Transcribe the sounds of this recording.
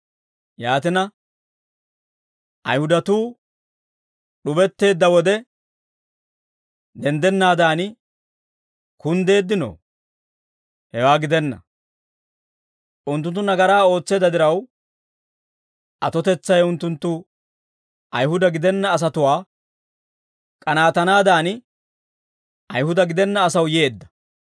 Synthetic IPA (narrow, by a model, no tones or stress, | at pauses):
jaːt̪ɪnɐ | ʔɐjhʊd̪ɐt̪uː | ɗʊbɛt̪ːe̞ːd̪ːɐwɔd̪ɛ | d̪ɛnd̪ɛnːaːd̪aːn | kʊnd̪e̞ːd̪ːɪno̰ː | hɛwaːɡɪd̪ɛnːɐ̰ | ʔʊnt̪ːʊnt̪ːʊnɐɡɐɾaːo̞ːt͡sːe̞ːd̪ːɐd̪ɪɾɐw | ʔɐt̪ɔt̪ɛt͡sːɐjʊnt̪ːʊnt̪ːʊ | ʔɐjɦʊd̪ɐɡɪd̪ɛnːɐːs̬ɐt̪ʊwaː | kʼɐnaːt̪ɐnaːd̪aːn | ʔɐjhʊd̪ɐɡɪd̪ɛnːɐːsɐwje̞ːd̪ːɐ̥